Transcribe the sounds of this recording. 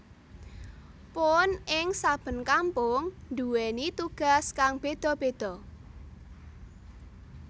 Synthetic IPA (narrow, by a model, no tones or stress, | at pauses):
pʊnɪŋsab̥ə̤nkampʊŋnd̪uwenit̪uɡ̥a̤skaŋb̥ed̪̥ɔ̤b̥ed̪̥ɔ̤